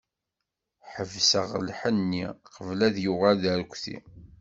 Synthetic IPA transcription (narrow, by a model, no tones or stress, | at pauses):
ħəvsəʁəlħənːiqəvlæðjuʁælðəɾkʷːθḭ